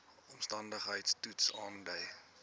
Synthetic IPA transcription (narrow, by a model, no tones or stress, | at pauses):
ɔmstɐndəχɦəjtstutsɑːndəj